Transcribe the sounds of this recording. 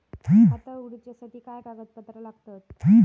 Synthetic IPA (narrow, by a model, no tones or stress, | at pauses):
ɦiat̪auɽt͡ɕasaʈʰiːkajkaɡət̪̚pət̪ɾəlaɡt̪at̪ɦi